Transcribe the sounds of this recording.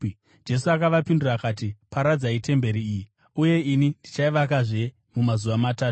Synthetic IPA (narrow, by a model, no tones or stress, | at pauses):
d͡ʒe̞suakaʋapindurakat̬ipaɾad͡zaite̞mbe̞ɾiːji | uje̞inindit͡ʃaiʋakaʐe̞ | mumazuʋamataːtu̥